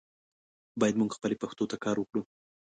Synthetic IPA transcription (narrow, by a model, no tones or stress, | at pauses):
bɑjad̪muɡxpəlepaxt̪ot̪akɑɾwəkɽu